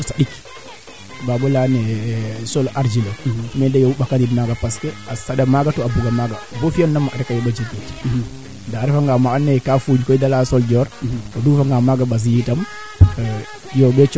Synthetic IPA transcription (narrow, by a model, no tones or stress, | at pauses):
usaɗik | baːbɔlanɛsɔlaɾd͡ʒilomɛdajoɓakadidmaɡapaskɛasaɗamaɡatɔabuɡamaɡabofiannamːʔaɾkajɔbad͡ʒikːet | daɾɛfaŋɡamaanːɛkafud͡ʒkɔjdalasɔld͡ʒɔɾtɔdufaŋɡamaɡaɓaz̬ijitam | jɔbɛt͡ʃ